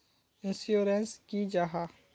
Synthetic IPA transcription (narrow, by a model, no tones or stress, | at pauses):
ɪ̃nsjuːɾenskid͡ʒaɦa